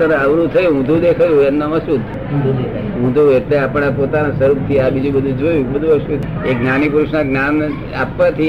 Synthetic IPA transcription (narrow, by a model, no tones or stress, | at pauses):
ənəʋɾut̪ʰəjũɦũd̪ʱũd̪ekʰajũemnamãsud̪ʱ | ɦũd̪ʱuekleapɳ̃ãpot̪anasəɾup̚t̪ʰiabid͡ʒũbəd̪ʱũd͡ʒojũbəd̪ʱuəʃueknanipɾuʃnaknam | a̰pːãt̪ʰi